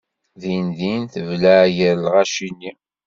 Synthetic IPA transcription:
ðinðinθəvlæʝəɾlʁæʃinːi

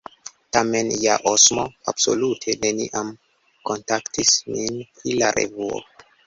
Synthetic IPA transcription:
tame̞njaʔosmo̞ab̥so̞̰lutʰe̞ne̞nḭʔam | ko̞ntaktisminpɾilaɾe̞̰vuo̰

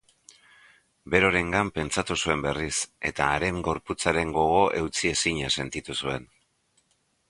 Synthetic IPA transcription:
be̞ɾo̞ɾe̞ŋɡampe̞nt͡sat̪usue̞mbe̞rise̞t̪aːɾe̞mɡo̞ɾput͡saɾe̞ŋɡo̞ɣ̞o̞ʔe̞wt͡sie̞siɲase̞nt̪it̪usue̞n

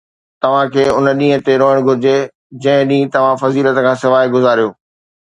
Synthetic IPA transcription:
t̪ɐʋ̤ãkʰeːʊnəɗĩːɦə̃t̪eɾoːɦɪɽ̃ɡʱʊɾɪd͡ʑe | d͡ʑɐ̃ɦɪ̃ɗĩːt̪ɐʋ̤ãfɐziːlət̪kʰãːsɪʋaːiɡʊzaːɾijoː

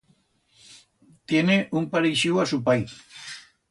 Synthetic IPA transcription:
t̪jeneʔumpaɾiʃiwasupaj

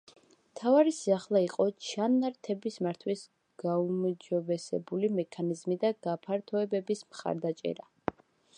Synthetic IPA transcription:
mt̪ʰavaɾisiaχlˠaiqʼɔt͡ʃʰanaɾt̪ʰɛbismaɾt̪ʰwis | ɡ̥aumd͡ʒɔbɛsɛ̰bulimɛkʰanizmid̪aɡ̥apʰaɾt̪ʰɔɛbɛbismχa̰ɾd̪at͡ʃʼɛ̰ɾa

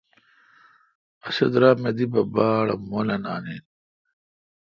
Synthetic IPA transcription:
ɐsɐd̪ɾaːmed̪ibɐbaːɽɐmolɐna̰ːnin

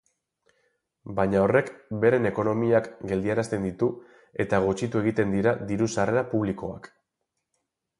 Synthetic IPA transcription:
baɲao̞rekbe̞ɾe̞ne̞ko̞no̞miakɡe̞ld̪iaɾast̪e̞nd̪it̪u | e̞t̪aɣ̞ut͡ʃit̪ue̞ɣ̞it̪e̞nd̪iɾad̪iɾusare̞ɾapuβliko̞a̰k

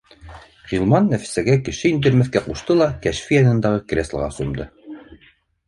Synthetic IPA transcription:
ʁilˠmɑnːæfɘ̥̆sæɡækɘ̆ʃɘind̪ɘ̆ɾmɘ̆θkæquʃt̪ɤlˠɑkæʃfijɑnɤ̆nd̪ɑʁɤkrʲeslˠʁɑ̰sŭmd̪ɤ

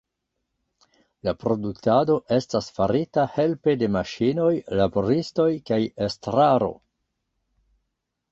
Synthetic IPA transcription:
lapɾo̞duktado̞ʔe̞stasfaɾitahe̞lpe̞de̞maʃino̞jlabo̞ɾisto̞jkajestɾaɾo̞̰

